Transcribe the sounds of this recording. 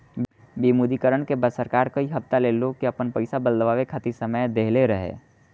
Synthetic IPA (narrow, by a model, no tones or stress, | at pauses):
bimuːd̪ikəɾəɳkebəsəɾkaːɾkɐiɦɐpt̪aleloɡ̚kiɐpənpəɪsabəld̪əʋaːʋekʰat̪isəməjd̪eːɦleɾəɦḛː